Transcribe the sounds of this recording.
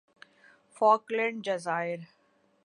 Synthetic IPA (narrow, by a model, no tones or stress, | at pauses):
fɔːklɛ̃ɳɖ̚d͡ʒəzaːɪəɾ